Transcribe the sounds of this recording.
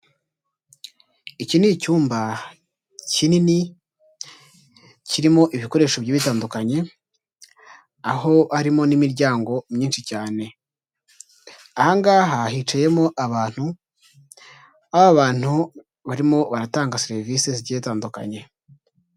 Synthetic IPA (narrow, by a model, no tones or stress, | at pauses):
icinicuːmba | cinini | ciɾimo̞ʔiβiko̞ɾe̞ːʃo̞βɟiːβitaːndukaɲe̞ | aɦo̞haɾimo̞nimiɾɟaːŋɡo̞mɲiːnʃicaːne̞ | ahaŋɡaːɦahit͡ʃaje̞mo̞ʔaβaːn̥hu | ahoaβaːn̥hu | βaɾimo̞βaɾataːŋɡaseɾvisezɟetaːnduka̰ɲe̞